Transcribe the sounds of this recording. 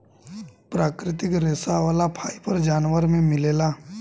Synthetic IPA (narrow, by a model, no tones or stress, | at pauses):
pɾaːkɾɪt̪ɪkɾeːsaʋaːlapʰaːipəɾd͡ʒaːnʋəɾmẽmɪleːlaː